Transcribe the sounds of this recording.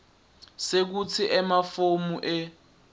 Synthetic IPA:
sek̬ut͡sʰiʔɛmafomuʔɛ

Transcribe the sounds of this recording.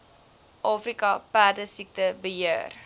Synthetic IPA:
ʔɑːfrikɐpæːrdəsik̚təbəɦiər

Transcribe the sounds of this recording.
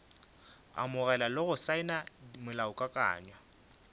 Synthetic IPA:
a̰mʊɣɛlalʊɣʊsaɪnaimʊlaʊkʼakʼa̰ːɲwa

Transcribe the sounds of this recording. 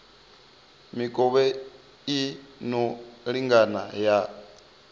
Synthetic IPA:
mikʼɔβɛ | inɔɺiŋɡanaja

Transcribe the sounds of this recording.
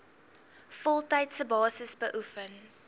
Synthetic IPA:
fɔlˠtɛjtsəbɑːsəsbəʔufən

